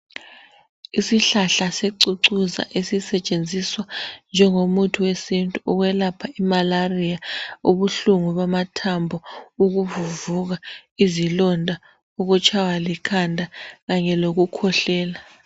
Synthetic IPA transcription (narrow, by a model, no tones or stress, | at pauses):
isiɬaɬaseǀuǀuza̰ʔesisɛt͡ʃʼend͡zʱiswand͡ʒʱɛŋomutʰuwesintʼuɔɣwɛlapʰaimalarijauβuɬuŋuβamatʰambʱɔuɣuvuvuɣaizilɔndʱa | uɣut͡ʃʼʰawalikʰandʱaɣaɲɛloɣukʰɔɬɛːla